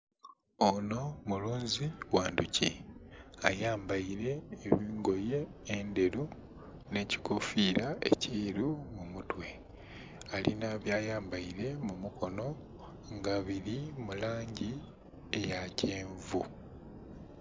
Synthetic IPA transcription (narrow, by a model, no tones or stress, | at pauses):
ono̞muluːɲziwaːnduci | a̰jaːmbaiɾe̞ːβiːŋɡo̞je̞ːnde̞ɾu | ne̞ːci̥kofiːɾaḛciːɾumumutwe̞ | alḭnaβjaːjaːmbaiɾe̞mumukʰo̞no̞ | ŋɡaβiɾimulaːɲɟi | ejaceːɱvu